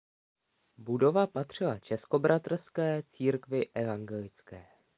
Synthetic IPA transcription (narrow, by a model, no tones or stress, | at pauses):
budo̞vapat̪r̝̥ɪla̰t͡ʃɛsko̞bɾat̪r̩skɛːt͡siːɾkvɪʔɛvaŋɡɛlɪt͡skɛː